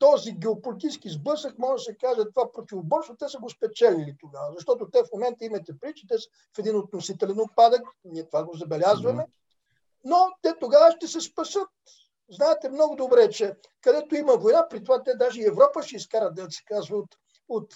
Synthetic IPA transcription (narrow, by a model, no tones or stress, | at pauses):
t̪ɔziɡɛopolit̪iskizbɤsəkmɔʒsɛkaʒət̪ovapɾot̪ʲivobɔɾst̪ot̪ɛsəɡospɛt͡ʃɛlʲilit̪oɡavəzɐʃt̪ɔt̪ot̪ɛfmomɛnt̪əimɐt̪ɛpɾit͡ʃɛ̥t̪ɛs | fɛd̪inot̪̚nosit̪ɛlɛnot̪̚pad̪əkniɛt̪ovaɡozɐbɛlʲazvɐmɛ | not̪ɛt̪oɡavəʃt̪ɛsɛspɐsɤt̪̚ | znaɛt̪ɛmnɔɡʊd̪obɾɛt͡ʃɛ | kɐd̪ɛt̪oimɐvojnapɾit̪ovat̪ɛd̪aʒɛiɛvɾɔpəʃɛiskaɾət̪̚ɛd̪sɛ̥kazvəot̪ | ot̪